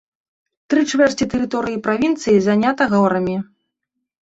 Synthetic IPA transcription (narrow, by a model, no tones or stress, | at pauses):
t̪ɾɨt͡ʂvʲɛrʲit̪ɛɾɨt̪ɔɾɨjipɾavʲint̪sɨjizanʲat̪ɐɣaɾɐmʲi